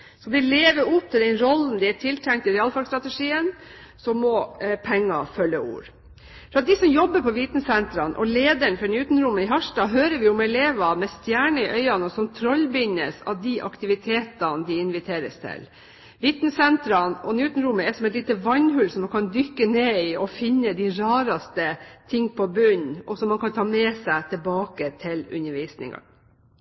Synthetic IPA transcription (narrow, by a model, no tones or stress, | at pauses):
sɔd̪ɪleːʋəɾʊpt̪ʰːɪld̪ɛnɾɔlːn̩d̪ɪæʈʰɪlt̪ʰæŋkt̪ɪɾɛɑːlfɑɾst̪ɾɑt̪əʂiːən | sɔmːɔpʰɛŋːɑ̰fœlːəṵːɾ | fœɾɑt̪̚d̪ɪsɔmjɔbːəpɔʋɪt̪nəsɛnt̪ɾɑnʔɔ̰leːd̪əɳfɔnjʉːt̪nɾʊmːəɪɦæʂdɑːɦøːɾəʋɪʊmɛleːʋɑmɛst̪jæːɳəɪʔœʏɑnɔsɔmt̪ʰɾɔlːbɪnːə̰sɑ̰ʋd̪iʔɑ̰kt̪ɪʋɪt̪ʰeːt̪ɑnd̪ɪɪnʋɪt̪ʰeːɾəst̪ʰɪ̰l | ʋɪt̪nəsɛnt̪ɾɑnɔnjʉːt̪nɾʊmːəɛsɔmɛɪt̪liːt̪əʋɑɲɦʉlsɔmːɑnkʰɑnd̪ʏkːəneːɪɔfɪnːəd̪ɪɾɑːɾɑst̪ət̪ʰɪŋːpʰɔbʉɲɔsɔmːɑnkɑnt̪ʰɑːmɛːsæɪt̪ʰɛlbɑːkət̪ʰɪlʉ̰nːəɾʋiːsnɪ̰ŋɑ̰